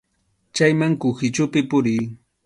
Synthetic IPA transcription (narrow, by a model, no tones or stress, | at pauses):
t͡ʃajmaŋkʊxɪt͡ʃʊpɪpʊɾɪj